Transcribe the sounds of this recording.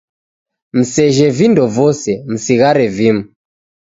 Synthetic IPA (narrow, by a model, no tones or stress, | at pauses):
m̩sɛʒɛvindɔvɔsɛm̩siɣaɾɛvimu